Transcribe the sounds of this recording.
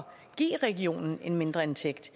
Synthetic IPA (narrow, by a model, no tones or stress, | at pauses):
ɡ̥ḭːʁɛɡio̝̰ːnn̩e̝nme̝nd̥ʁɐent͡sʰeɡ̥d̥